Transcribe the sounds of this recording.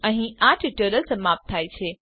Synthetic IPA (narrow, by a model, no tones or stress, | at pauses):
ə̃ɦĩaʈʰɪʈəːɾəlsəmaːp̚t̪ʰːaːit͡ɕʰeː